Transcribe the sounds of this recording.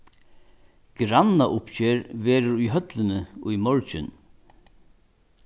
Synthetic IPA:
ɡ̥ɾanaʔʊpçeːɾvɛːɾʊɾʊjɦœt̪lɪnɪʊjmɔɹt͡ʃɪ̰n

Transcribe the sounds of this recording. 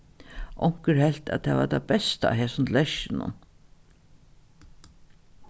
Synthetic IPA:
ʔɔŋ̥kəɾhɛlt̪æ̰t̪ʰɛ̰ːʋa̰t̪ʰabɛst̪a̰ːɦeːsʊnt̪ʰlɛʃɪnʊ̰n

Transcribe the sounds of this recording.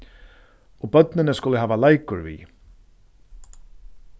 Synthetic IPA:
ɔbœt̪nɪnɪskʊlɪɦaːvalajkʊɾvḭ

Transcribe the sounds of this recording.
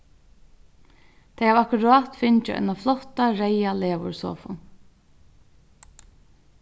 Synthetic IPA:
t̪ʰeɪjavakʊɾɑːt̪fɪɲt͡ʃəʔɛ̰naflɔt̪aɾɛjaleːʋʊ̰ɹsɔ̰ːfɔ̰n

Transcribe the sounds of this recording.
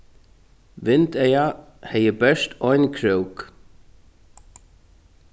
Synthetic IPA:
ʋɪnt̪ɛja | hɛjəbɛʂt̪ɔjnkʰɾœwk

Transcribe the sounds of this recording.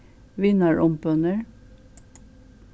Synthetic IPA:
ʋɪnɑɹʔɔmpœnəɹ

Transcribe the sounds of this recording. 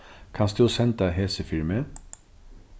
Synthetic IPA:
kʰɑnsd̪ʉsɛnt̪̚ɑɦeːsəfɪɹmə

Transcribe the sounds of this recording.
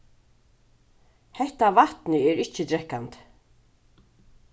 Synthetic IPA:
hɛht̪avat̪nɪɛɹɪht͡ʃɪt̪ɾɛhkant̪

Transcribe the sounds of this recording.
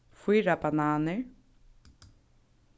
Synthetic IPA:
fiːɾabanaːnɪ

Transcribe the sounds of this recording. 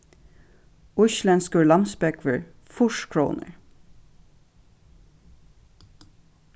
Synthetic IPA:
ʊçlɛnskəɹlɑmsbɛkʰʋəɹ | fʊʃkʰɹo̰ːnə̰ɹ

